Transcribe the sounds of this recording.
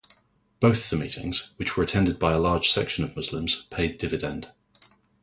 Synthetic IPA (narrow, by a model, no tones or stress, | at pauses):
b̥əʊθəvðəmḭˑtʰɪ̰̃ŋz̥wɪt͡ʃwəɹətʰɛ̃ndɪd̚baɪəlɑːd̥ʒ̥sɛkʃə̃nəvmʊzlɪ̃mz̥pʰeɪdɪvɪdɛ̃nd̥